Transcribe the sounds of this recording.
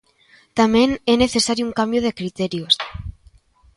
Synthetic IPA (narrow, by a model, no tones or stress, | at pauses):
t̪amẽneneθe̞saɾjuuŋkambjoð̞ekɾit̪eɾjos